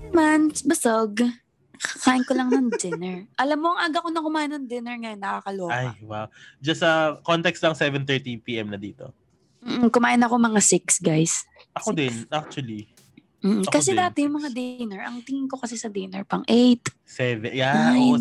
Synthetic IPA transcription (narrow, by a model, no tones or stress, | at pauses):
mansbɐsoɡ | kaːʔɪnkolɐŋnɐŋd͡ʒɛnɛɹʔɐlamːoɐŋʔaɡɐkonɐkʊmaːʔɪnɐŋd̪ɪnɛɹŋɐjonːɐkakɐloːajwawd͡ʒɐsɐkont̪ɛkst̪lɐŋsɛvɛnt̪ɛɹt̪ipiʔɛmnɐd̪iːt̪o̰ | mm̩ːm̩kʊmaːʔɪnɐko̞mɐŋasɪksɡajsʔɐkod̪ɛnnʔak̚t͡ʃwɐli | m̩ːʔ̩kɐsɛd̪aːt̪ɛjʊŋmɐŋad̪enɛɹʔɐŋt̪ɪŋɪŋko̞kɐsɛsɐd̪enɛɹpɐŋʔejt̪ | sɛvɛja